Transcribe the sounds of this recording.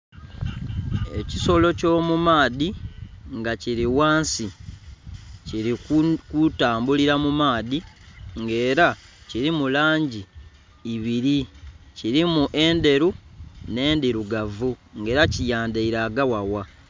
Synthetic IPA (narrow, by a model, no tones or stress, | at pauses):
ḛci̥so̞lo̞co̞ːmumaːðiŋɡaciɾiwaːnsi | ciɾikutaːmbuliɾamumaːðiŋɡe̞ːɾaciɾimulaːɲɟiː | βiɾiciɾimuʔe̞ːnde̞ɾune̞ːndiɾuɡavuŋɡe̞ːɾacijaːndeiɾaɡawawa